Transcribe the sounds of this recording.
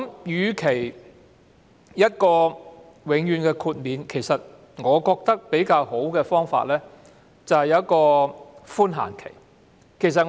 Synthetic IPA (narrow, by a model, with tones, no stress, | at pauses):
mjyː˨˧kʰe˨˩j | jɐ˥t̚kɔː˧ | wɪ˨˥ŋjyː˨nkɛː˧kʰuː˧t̚miː˨˧nkʰe˨˩jsɐ˨t̚ | ŋɔː˨˧kɔː˧k̚t̪ɐ˥k̚pe˨˥jkaː˧who˨˥wkɛː˧fɔː˥ŋfa̰ː˧t̚lɛː˥ | t͡sɐ˨whɐ˨jɐ˨˦ɐ˥t̚kɔː˧fuː˥nɦa̰ː˨˩nkʰḛ˨˩j | kʰe˨˩js̬ɐ˨t̚